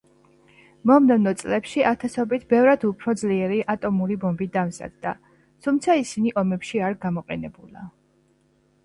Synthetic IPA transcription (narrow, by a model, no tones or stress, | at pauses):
mɔmnɛvnɔt̪sʼlɛpʃiʔat̪ʰasɔbit̪ʰbɛvɾad̪upʰɾɔd̪zliɛɾiʔat̪ʼɔmuɾibɔmbid̪amza̰d̪̚d̪a̰ | t̪ʰumt̪sʰaisiniʔɔmɛpʃiaɾɡamɔqʼɛnɛbula̰